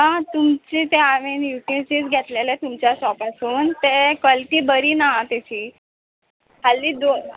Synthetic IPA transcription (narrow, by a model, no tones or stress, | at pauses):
ɦãt̪umt͡ɕiːt̪eaʋenjuʈjut͡ɕiːt͡sɡʱet̪lelɛt̪umt͡ɕjaɕɔpasuːnt̪ekɔlʈiːbəɾiːnat̪et͡ɕiː | ɦalːiːd̪o